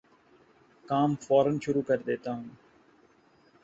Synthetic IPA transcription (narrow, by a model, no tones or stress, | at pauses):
kaːmfaːɾənʃʊɾuːkəɾd̪eːt̪aːɦũː